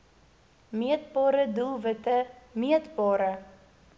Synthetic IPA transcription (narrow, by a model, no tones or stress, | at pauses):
miət̚bɑːɾədulˠvətəmiətbɑːɾə